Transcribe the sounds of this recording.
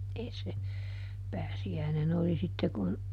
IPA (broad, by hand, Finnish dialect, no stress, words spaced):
eˑi se pæːsiæinen oli sitːe kun